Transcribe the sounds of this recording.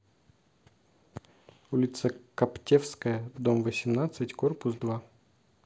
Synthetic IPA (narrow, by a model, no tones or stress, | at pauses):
ulʲɪt̪səkɐptʲefskəjəd̪omvəsʲɪmnat̪sɨtʲkorpʊsd̪va